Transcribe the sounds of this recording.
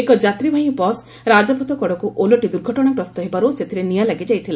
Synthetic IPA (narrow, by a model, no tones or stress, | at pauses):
ekɔd͡ʒat̪ɾibʱaɦĩpɔs | ɾad͡ʒɔpʰɔt̪ɔkɔɽɔkuʔoloʈid̪uɾɡʱɔʈɔɽ̃akɾɔst̪ɔɦebaɾuset̪ʰiɾenijalaɡid͡ʒajt̪ʰila